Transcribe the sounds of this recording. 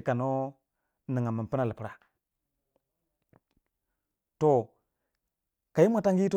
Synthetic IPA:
ka˨no˦ | nə˨ŋa˨mə˨m˨pə˦na˨lə˨pə˦ɾa˨ | to˨ | ka˨ji˦mʷa˨ta˦ŋɡi˦to˦

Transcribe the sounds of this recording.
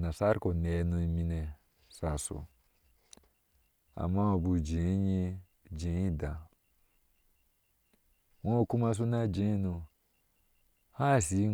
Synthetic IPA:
na˨sa˦ɾi˦ko˨nɛ˨˦nũ˧i˨mĩ˧nɛ˨ | sa˨so̰˨ | a̰˨mːa˦o˨bu˨d͡ʒẽ˨˦ɲe˦ | d͡ʒẽ˨˦i˦da˨ | wõ˦o˨ku˦ma˧s̬u˦na˦d͡ʒẽ˨˦nu˧ | ha˦˨si˨˦

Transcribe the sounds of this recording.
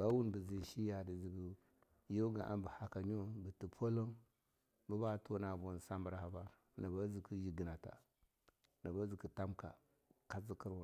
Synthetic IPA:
ba˦wu˦nbi˨zi˨ʃi˦ja˨di˨zi˨ɡu˨ | jo˦ɡa˨ʔa̰˦nbə˨ha˨ka˨ɲo˦bi˨ti˨pʰo˦lo˦n | bu˦ba˦˨to˦na˨bu˨n˨sa˦mbɾa˨˦ha˨ba˦ | na˨ba˦zi˨ki˦ji˨ɡi˨na˨ta̰˨ | na˨ba˦zi˨ku˨ta˦mka̰˨ | ka˦zi˦ki˦ɾwu˨

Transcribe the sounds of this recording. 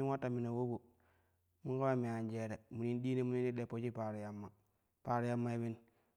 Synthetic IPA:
i˦nwa˦tːa˨mi˨na˨wo˦bo˨ | mi˦ko˦ɾa˦mi˨a˨nd͡ʒe˨ɾe˨mu˨ni˦ndi˦ne˦mu˦ni˦ni˦de˨po˦t͡ʃi˦pa˨ɾi˨ja˨mːa˨ | pa˨ɾi˦ja˦mːa˦i˦bi˦n

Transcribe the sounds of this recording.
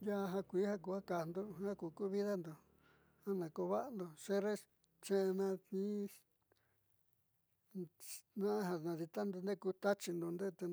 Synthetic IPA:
ja˦˧ɦã˧kʷi˨˦ha˦ku˧a˦ka˨nd̪o˧hã˦ku˧ku˦βi˦ða˦nd̪o˨ | hã˦nã˨ko˧βa˦ʔa˧nd̪o˨ʂe˦ɾe˦ | t͡ʃẽ˦ʔnã˧ĩ˦ | nã˦ʔɦa˧nã˨˧ði˧t̪a˦nd̪o˧nd̪e˦˧ku˧t̪a˦t͡ʃi˧nd̪o˧nd̪e˦t̪e˧

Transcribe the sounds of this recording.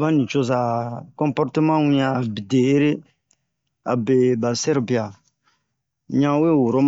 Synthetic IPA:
ba˦nĩ˨t͡ʃo˦za˨kɔ̃˦mpɔ˦ɾte˦mã˦wĩ˦ãː˨bi˨de˨e˦ɾe˦ | a̰˨be˨ba˨sɛ˦ɾbi˨a˨ | ɲã˦we˦wo˨ɾo˦m

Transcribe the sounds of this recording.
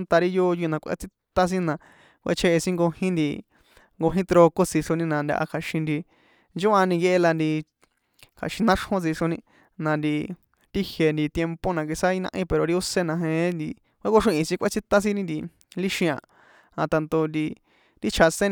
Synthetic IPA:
nt̪a˧ɾi˦jo˦ju˧nã˧kʷʔḛ˧˦t͡si˦t̪a˦s̬ĩ˦nã˧ | kʷʔḛ˦t͡ʃʰe˧ʔe˧sĩ˦ŋɡo˧hĩ˦nd̪i˧ | ŋɡo˧ɦĩ˦t̪ɾo˧ko˦t͡si˧ʂo˧nĩ˧nã˧˨nd̪ʲa̰˧ʔa̰˧kʰa˨ʃĩ˧nd̪i˧ | nd͡ʒo˦ʔa˧nĩ˧je˧ʔe˧la˧nd̪i˧ | kʰa̰˨ʃĩ˧nã˦ʂhõ˦t͡si˧ʂo˧nĩ˧ | nã˧nd̪i˧ | t̪i˦hje˧˨nd̪i˧t̪je˧mpo˦nã˧k̬i˧sa˦i˧nã̰˧ʔĩ˦pe˨ɾo˨ɾi˧o˦se˧nã˧ɦẽ˧˦nd̪i˧ | kʷʔe˦ko˦ʂĩ˧ʔĩ˧sĩ˦kʷe˦˧t͡si˦t̪a˦s̬ĩ˦nĩ˦nd̪i˧ | li˦ʃĩ˧ã̰˧˨ | a̰˧t̪a˧nd̪o˧nd̪i˧ | t̪i˦t͡ʃʰa˧sẽ˦n

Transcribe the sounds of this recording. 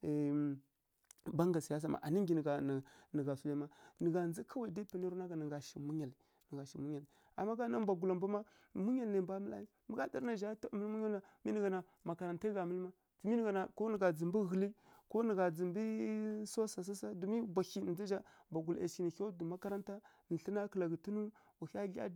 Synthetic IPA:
ba˦ŋɡa˨si˨a˦s̬a˨ma̰˨ʔa˨ni˦ŋɡi˨n˨ɡa˨nə˨ɡa˨su˦la˨ma˦nə˨ɡa˨nd͡zi˦kʰa˦wa˨da˦pa˨na˦ɾu˦na˦ɡa˨nə˨ɡa˨ʃi˨mu˦ɲa˨li˨ | nə˨ɡa˨ʃi˨mu˦ɲa˨li˨ | a̰˨mːa˦ɡa˦na˦mba˨ɡu˨la˨mba˦ma˦ | mu˦ɲa˦˨lna˨ba˦mə˦la̰˦i˦mə˦ɡa˦da̰˦ɾna˨ʒa˦ta˦˨mə˦lmu˦ɲa˦lna˨mi˦nə˨ɡa˨na˨ | ma˨ka˨ɾa˨nta˦ɡa˨mə˦lma˦ | tu˨mi˦n˨ɡa˨na˨ko˦nə˨ɡa˨d͡zə˨mbi˦ɣə˨li˦ko˦nə˨ɡa˨d͡zə˨mbi˦so˦sa˨s̬a˦sa˦du˨mi˦bʷa˨xi˦˨d͡za˦ʒa˦ | mba˨ɡu˨la̰˨ʃki˨ni˨xo˦du˨ma˦ka˦ɾa˦nta˦ | n̩˨ɬə˦na˦kə˨la˨ɡi˨tu˦nu˦ | a˨xa˦ɮa̰˦

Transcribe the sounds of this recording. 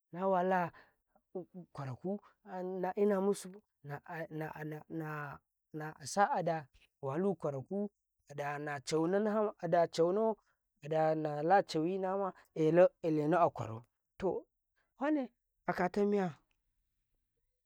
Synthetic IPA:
na˦wa˨la˦˨ | kʷa˨ɾa˨ku˦˨na˨ʔi˦na˨mu˦su˦ | na˨na˨na˨ | na˨a˨sa˦ʔa˨da˨ | wa˨lu˦kʷa˨ɾa˨ku˦ | a˨da˨na˨t͡ʃa˨wno˦a˨da˨t͡ʃa˨wu˦no˦ | a˨da˨na˨la˦t͡ʃa˨wi˦na˦ma˦ | e˨lo˦e˨le˨no˦a˨kʷa̰˨ɾo̰˨ | to̰˨ | wa˦ne˦ | a˨ka˨ta˦mi˦ja˦

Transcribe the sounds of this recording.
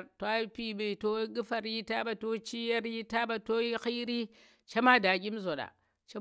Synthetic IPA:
to˨˦a˦pi˨ɓe˨to˦ɡi˦fa˨ɾi˦ta˦ba˨to˦t͡ʃi˦ja˦ɾji˦ta˦ba˨to˦i˦xi˦ɾi˦ | t͡ʃa˦ma˦da˨ɡʲi˦mzo˨ɗa̰˨ | t͡ʃe˦

